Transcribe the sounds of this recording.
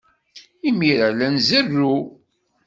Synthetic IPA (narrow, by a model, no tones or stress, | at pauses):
imiɾælænzərːu